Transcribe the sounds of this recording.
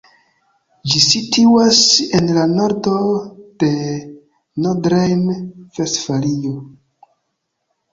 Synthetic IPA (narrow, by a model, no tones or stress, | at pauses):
d͡ʒisitʰuwasenlano̞ɾdo̞d̥e̞ | nodɾejnv̥estfalio